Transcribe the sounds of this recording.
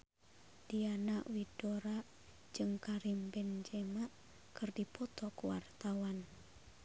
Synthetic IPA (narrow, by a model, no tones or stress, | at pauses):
d̥ianaʔwidoɾaʔ | d͡ʒɨŋkaɾimbɛnd͡ʒɛmaʔ | kɨrdipɔt̪ɔkuwa̰rt̪awan